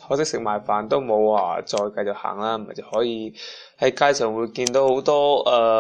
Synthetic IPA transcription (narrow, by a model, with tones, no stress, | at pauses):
tʰɔː˨˥sɪ˥k̚sɪ˨k̚maː˨jfaː˨˩nt̪o˥wmo˨˧wa̰ː˧˩t͡sɔː˧jkɐ˧jt͡so˨k̚ha̰ː˨˩ŋlaː˥m̩˨˩ɐ˨˩jt͡sɐ˨˩whɔː˨˥jiː˧ | hɐ˨˥jkaː˧˥jsʰœː˨˩ŋwuː˨˧jkiː˧nt̪o˨˥who˨˥wt̪ɔː˥ɛː˧